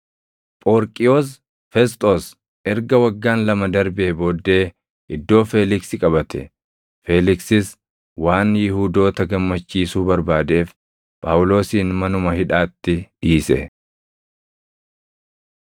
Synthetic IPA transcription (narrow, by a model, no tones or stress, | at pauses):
pʼoɾkʼɪjoːs̬ | fɛst̪ʼos | ɛɾɡɐwɐɡːaːnlɐmɐd̪ɐɾbeːbo̞ːd̪ːe̞ː | ʔɪd̪ːo̞ːfeːlɪksɪkʼɐbɐt̪ɛ̰ | fe̞ːlɪksɪs | waːnjɪhuːd̪o̞ːt̪ɐɡɐmːɐt͡ʃːiːsuːbɐɾbaːd̪e̞ːf | pʼaːwʊlo̞ːsiːnmɐnʊmɐhɪᶑaːt̪ːɪᶑiːsɛ̰